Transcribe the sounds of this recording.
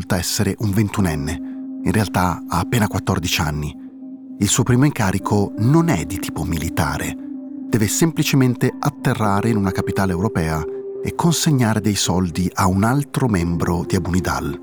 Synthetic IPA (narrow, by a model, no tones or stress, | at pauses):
lt̪aɛsːeɾeʔuɱvent̪unɛnːeinrʔealt̪aaːpːeːnakwat̪ːɔrd̪it͡ʃanːi | ilsuːopɾiːmoiŋkaːɾikʰononɛd̪it̪iːpomilit̪a̰ːɾḛd̪̥ɛːvesemplit͡ʃement̪eat̪ːerːaːɾeinunakapit̪aːleewɾopɛːaekʰːonseɲːaːɾed̪ejsɔld̪iʔaunalt̪ɾomɛmbɾod̪iabunid̪a̰l